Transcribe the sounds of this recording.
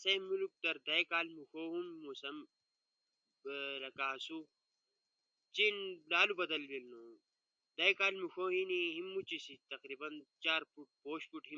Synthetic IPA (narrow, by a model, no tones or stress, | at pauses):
sɐmuluk̚d̪ɐɾd̪ɐjkaːlmuxoːɦumːusɐm | ɾɐkaːsu | t͡ʃinlaːlubɐd̪ɐlbilnoː | d̪ɐkaːlmuxoːɦĩniɦimːut͡ʃisit̪ɐqɾiːbɐnt͡ʃaːɾfuʈ̚poːɕfuʈɦi